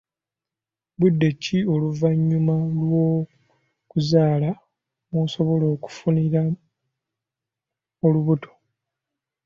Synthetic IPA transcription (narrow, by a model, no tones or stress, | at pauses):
βudːe̞cio̞luvaɲːumalwo̞ | kuzaːla | muso̞βo̞lo̞ːku̥funiɾa | oluβuto̥